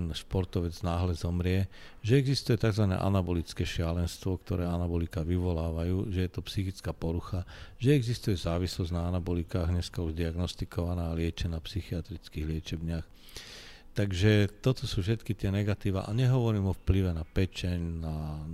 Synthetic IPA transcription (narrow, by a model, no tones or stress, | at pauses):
nʃpɔɾt̪ɔʋɛd͡znaːɦlɛzɔmɾɪɛ | ʒɛɛɡzist̪ujɛt̪aɡzʋanɛ̰ːʔa̰nabɔlit͡skɛːʃɪalɛnst̪ʋɔkt̪ɔɾɛːanabɔlikaʋiʋɔlaːʋajuːʒɛjɛt̪ɔpsixit͡skaːpɔɾuxaʒ̥ɛɛɡzist̪ujɛzaːʋislɔznaanabɔlikaːɣɲɛskauʒd̪iaɡnɔst̪ikɔʋanaːlɪɛt͡ʃɛnapsixiat̪ɾit͡skiːɣlɪɛt͡ʃɛbɲɪax | t̪aɡʒɛt̪ɔt̪ɔsuːfʃɛt̪kit̪ɪɛnɛɡat̪iːʋa̰ʔaɲɛɦɔʋɔɾiːmɔfpliʋɛnapɛt͡ʃɛɲna